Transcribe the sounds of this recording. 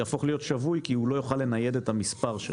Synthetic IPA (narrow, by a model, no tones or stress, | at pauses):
jaːfo̞χlijo̞t̪ʃavujkiulo̞joχalːe̞naje̞detamispaʁʃḛ